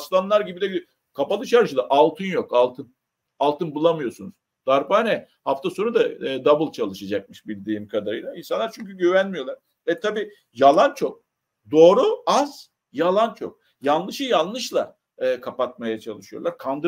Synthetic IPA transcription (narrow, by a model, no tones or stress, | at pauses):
slˠanlˠaɾɟibid̪ɛbʲi | kʰapalˠɯʃaɾʃɯd̪ˠaʔalˠt̪ʰɯnjo̞kalˠt̪ʰɯn | alˠt̪ʰɯnbulˠamɯjo̞ɾsunuz̥ | d̪̥aɾbaːnɛ | haft̪ʰaso̞nud̪aːd̪abɯlˠt͡ʃʰalˠɯʃad͡ʒak̚mɯʃbilʲd̪iːmkʰad̪aɾɯjlˠainsanˠaɾt͡ʃʰyɲcyɟyvænmijo̞lˠaɾ | vɛt̪ʰabiː | jalˠant͡ʃʰo̞k̚ | d̪o̞ːɾuaz̥ | jalˠant͡ʃʰo̞k̚ | janˠlːˠɯʃɯjanˠlˠɯʃlˠa | ɯːkʰapat̪̚majat͡ʃʰalˠɯʃɯjo̰lˠaɾkʰand̪ɯ